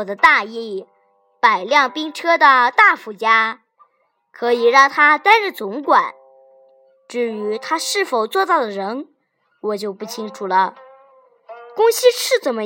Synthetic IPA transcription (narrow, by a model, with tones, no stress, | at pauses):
ɔ˨˩d̪ə˦t̪a˥˧i˥˩ | pa˨˩ɪljɑ˥˩ŋpi˥ŋʈ͡ʂʰɤ˥d̪ə˨t̪a˥˩fu˧˥t͡ɕja˥ | kʰɤ˧˥i˨˩ɻɑ˥˩ŋt̪ʰa˥t̪a˥nɻ̩˥˩t͡sʊ˧˥ŋkwa˨˩˦n | ʈ͡ʂɻ̩˥˩y˧˥t̪ʰa˥ʂɻ̩˥˩fo˨˩ʊt͡swɔ˥˧t͡sɑ˥˩ʊd̪ə˩ɻə˧˥n | wɔ˨˩t͡ɕjo˥˧ʊpu˥˩t͡ɕʰi˥ŋʈ͡ʂʰu˨˩lə˩˦ | kʊ˥ŋɕi˥ʂʰɻ̩˥˩t͡sə˨˩nmə˦